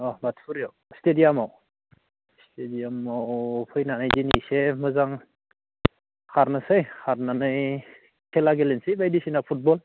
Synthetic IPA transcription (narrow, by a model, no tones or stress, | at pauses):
ɔbatfʰuɾijawstʰediamaw | stʰediamawpʰɯjnanɯjzinisemɯzaŋ | kʰaɾnɯsɯjhʰaɾnanɯj | kʰelaɡelensibajdisinapʰut̚bɔl